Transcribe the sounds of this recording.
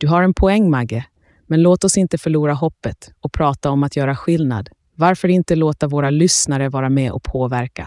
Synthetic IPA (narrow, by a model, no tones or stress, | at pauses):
d̪̥ɵɦaɾɛnpʰɔɛŋːmaɡːə | mɛnloːt̪ɔsɪnt̪əfœɭuːɾaɦɔpːət̪ɔk̚pʰɾɑːt̪aɔmat̪jœːɾaɧɪlna̰d̪ | vaɾfœɾɪnt̪əloːt̪aɾvoːɾalʏsnaɾəvɑːɾamɛʔɔ̰kpʰoːvæɾka